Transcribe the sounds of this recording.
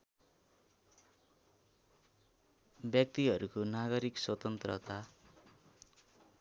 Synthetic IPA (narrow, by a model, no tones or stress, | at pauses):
bjʌk̚t̪iɦʌɾukonaɡʌɾikswʌt̪ʌnt̪rʌt̪a